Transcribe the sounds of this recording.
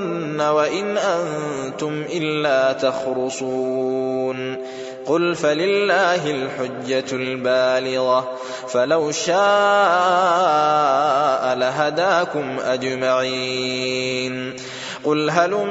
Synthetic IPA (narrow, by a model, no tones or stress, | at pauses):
nːawaʔɪnʔant̪ʊmʔɪlːaːt̪ɑxɾʊsˤuːn | qʊlfalɪlːaːɦɪlħʊd͡ʒːalbaːlɪɣa | falawʃaː | ʔalaɦad̪aːkʊmʔad͡ʒmaʕi | n | qʊlɦal